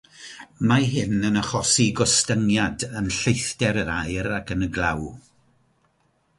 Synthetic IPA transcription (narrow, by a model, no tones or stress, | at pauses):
maɦɪnənəχɔsiɡɔstəŋjadənɬejθd̥ɛɾəɾajɾakʰənəɡlˠaw